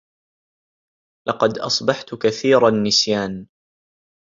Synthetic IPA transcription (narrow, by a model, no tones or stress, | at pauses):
lʔɑqɑd̪ʔɑ̰sˤbɑħt̪kaθiːɾɑnːɪsjaːn